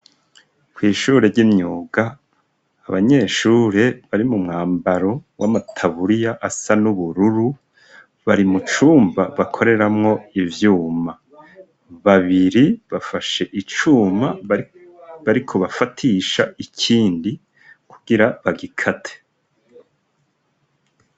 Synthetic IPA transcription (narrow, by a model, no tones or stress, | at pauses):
kwiːʃuːɾeɾɟimɲuːɡaː | βaɲe̞ːʃuːɾe̞βaɾimumŋaːmbaɾo̞wʔamatʰaβuɾijaʔasanuβuɾuɾu | βaɾimut͡ʃuːmbaβakʰo̞ɾe̞ɾamŋo̞ivjuːma | βaβiɾiβafaʃe̞ʔit͡ʃuːma | βaɾikʰo̞βafatʰiʃaicʰiːndi | kuɡiɾaβaɡikʰatʰe̥